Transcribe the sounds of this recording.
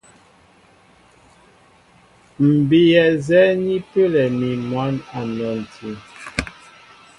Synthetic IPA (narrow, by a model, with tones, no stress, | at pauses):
m̩˨bi˨jɛ˨zɛ˦ni˦pə˦lɛ˨mi˨mwa˨˦na˨nɔ˨n˨tʰi˨˦